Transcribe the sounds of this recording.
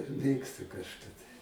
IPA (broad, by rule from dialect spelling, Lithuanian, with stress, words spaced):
ˈmʲeːkstʊ kɐʃˈkɐ tɐɪ